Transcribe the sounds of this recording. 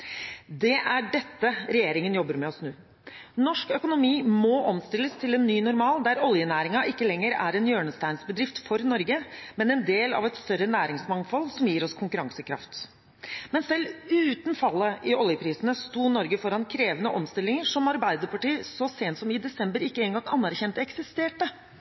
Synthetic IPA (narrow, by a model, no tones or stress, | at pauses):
d̪ɛʔæɖɛt̪ːəɾɛjeːɾɪŋənjɔbːəɾmɛɔsnʉː | nɔʂkœkʊnʊmiːmɔʔɔmst̪ɪlːəst̪ʰɪlɛnːyːnʊɾmɑːld̪æɾɔljənæːɾɪŋɑʔɪkːəlɛŋːəɾæ̰ɾɛnjøːɳəst̪æɪnsbəd̪ɾɪft̪fɔɾnɔɾɡəmɛnɛnd̪eːlɑ̰ʋɛt̪st̪œɾənæːɾɪŋsmɑŋfɔlsɔmjiːɾɔskʰʊŋkʉɾɑŋsəkʰɾɑ̰ft̪ | mɛnsɛlːʉːt̪nfɑlːəʔɪʔɔljəpʰɾiːsənəst̪uːnɔɾɡəfɔɾɑnkʰɾeːʋənəʔɔmst̪ɪlɪŋəʂɔmɑɾbæɪd̪əɾpɑʈiːsɔseːnt̪sɔmɪd̪ɛsɛmbəɾɪkːəɛːnɡɑŋɑnːæɾçɛnt̪ɛksɪst̪eːʈə